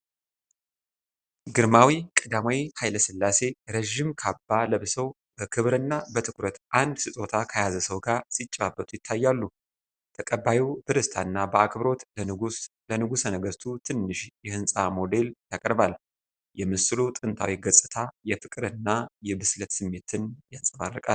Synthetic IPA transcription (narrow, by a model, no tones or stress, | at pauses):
ɡɨɾmawikʼɨd̪amwihajləsɨlːase̞ɾəʒɪmkʰabːaləβsəw | b̥əkʰɨβɾɨnːabət̪ʰɨkʰuɾət̪ʔand̪sɨt̪ʼo̞t̪ʰakʰajazəsəwɡaɾsit͡ʃʼːabːət̪ʰujɪt̪ʰːajːalːu | t̪ʰəkʼəbajiwb̪ɨɾɨst̪ʰanːabəakʰβɾo̞t̪ | lənɨɡusnəɡəst̪ʰut̪ʰɨnːɨʃjɛhɨnsʼamo̞d̪e̞ljakʼəɾbal | jɛmɨsɨlut̪ʼɨnt̪ʰawiɡəsʼɨt̪ʰajɛfɨkʼɨɾɨnːajɛbɨslət̪sɨmːe̞t̪ʰɨnjasʼəmarːəkʼal